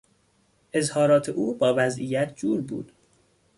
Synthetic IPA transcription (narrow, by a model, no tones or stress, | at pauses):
ʔe̞zhɒːɾɒːt̪ʰeʔuːbɒːvæzʔijæt̪ʰd͡ʒuːɾbṵːd̪̥